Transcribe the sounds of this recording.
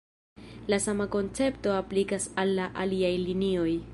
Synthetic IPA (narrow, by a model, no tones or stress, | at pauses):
lasamako̞nt͡se̞pto̞aplikasalːaʔaliajlinio̞j